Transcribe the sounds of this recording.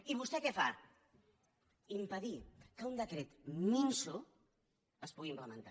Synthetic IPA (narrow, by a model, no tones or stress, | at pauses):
iβ̞ust̪ɛkɛfa̰ | impəðikəund̪əkɾet̪minsu | əspuɣimpləmənt̪a